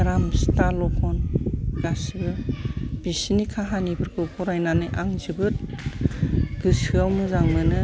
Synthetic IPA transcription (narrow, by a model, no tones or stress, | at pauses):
ɾamstalɔkʰɔnɡasɯb̥isinikʰaɦanibɯɾkʰɯpʰɔɾajnanɯjʔaŋzɯbɯt̚ | ɡ̥ɯsɯawmɯzaŋmɯnɯ